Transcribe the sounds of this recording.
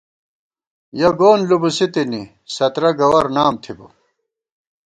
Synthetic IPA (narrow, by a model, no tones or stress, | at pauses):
jɐɡoːnlubusit̪ini | sɐt̪ɾɐɡɐwɐɾnaːmt̪ʰibu